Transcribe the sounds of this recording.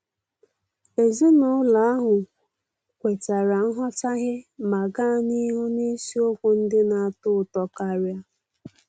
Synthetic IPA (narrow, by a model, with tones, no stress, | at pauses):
e˨zi˦nʊ˦la˨a˦ɦʊ˨ | kʷe˨ta˨ɾa˨n̩˦ɦɔ˦t͡ʃa˦ɣɪ˦ma˨ɡa˦˨ni˦ɦu˦ne˦si˦o˦kʷu˦n̩˦dɪ˦na˨a˨tʊ˦˨tɔ˦ka˦ɾja˦